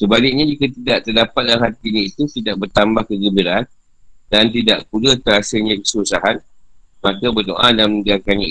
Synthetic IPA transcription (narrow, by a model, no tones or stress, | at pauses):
səbalɪk̚ɲãd͡ʒikat̪idaʔt̪ərdapat̪̚laŋɦat̪iɲãit̪ut̪idaʔ̚bərt̪ambahkəɡəbiɾat̪̚ | dant̪ida̰ʔpulət̪əɾasəlɲãkə̥susaɦan | mãkabərdoʔadamnəɡakaɲa